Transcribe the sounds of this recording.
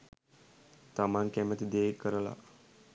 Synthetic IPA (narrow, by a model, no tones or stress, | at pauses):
t̪amaŋkæmət̪id̪eːkəɾəla̰